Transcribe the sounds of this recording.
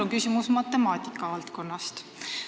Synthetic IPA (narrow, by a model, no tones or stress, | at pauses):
oŋkysʲimusmɑt̪ːˑe̞mɑːt̪ʲikːˑɑvɑlt̪ko̞nːɑst̪